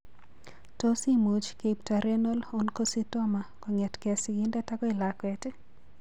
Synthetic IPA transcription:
to˦si˦mu˨t͡ʃke˨ptaɾɛ˦no˦lo˦nkositɔma˨kɔŋɛ˨tkɛ˨sɪɡɪ˦ndɛtaɡɔ˦ɪ˨lakwɛte˦

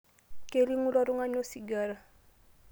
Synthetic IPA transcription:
kʼe˦li˦ŋu˦la˦ɾu˦ŋa˦ɲo˦si˨ɡa˦ɾa˦˨

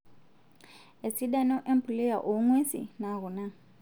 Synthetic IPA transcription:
e˨si˦ɗa˦nɔ˦ʔɛ˦mpli˦ja˨ʔu˨˦ŋwe˦sḭ˨na˨ɣu˨na˦˨

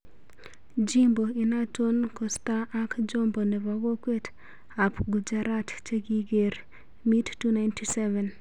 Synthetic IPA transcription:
d͡ʒi˦mbo˨i˨na˦to˦nkɔ˨sta˦ʔa˦kd͡ʒo˦mbo˨nɛ˨va˨ɡɔ˦kwe˦t | a˨pɡu˨d͡ʒa˦ɾa˦tt͡ʃe˦ɡi˦ɡe˨ɾ | mi˦tːu˦na˨jntʰi˦sɛ˦vɛ˨n

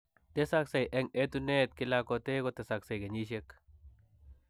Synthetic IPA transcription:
te˦sa˦ksa˨jʔɛ˦ŋe˦t̪u˦ne˦t̪̚kɪ˦lakote˦ko˦te˨sa˨kse˨jke˨ɲi˦ʃ̬e˦k

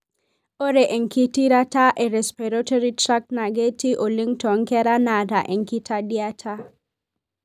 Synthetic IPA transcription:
o˦ɾe˨ʔe˨ŋki˦ti˦ɾa˦ta˦ʔe˨ɾɛ˨spɛɾɔtɔɾitɾa˦kna˨ɡe˦ti˦ʔo˨li˦ŋtɔ˨ŋkɛ˦ɾa˦na˨ta˨ʔe˨ŋki˦tʰa˦dja˦tʰa˦

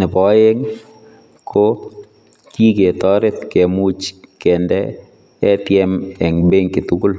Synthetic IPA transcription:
nɪ˨pɔ˨˦e˦ŋ | kʰo˦ | ki˦ke˨t̪ɔ˦ɾɪ˦t̪ke˨mu˦t͡ʃkɛ˨ndɛ | ɛ˦t̪jɛ˦mɛ˨ŋbe˦ŋkɪ˨t̪uku˦l

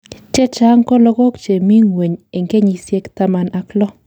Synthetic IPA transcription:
t͡ʃe˦t͡ʃa˦ŋkɔ˦lɔ˦ɡɔ˦kt͡ʃe˨mi˦ŋwe˨ɲe˨ŋɡe˦ɲi˨sje˦kta˦ma˨na˨klɔ˦

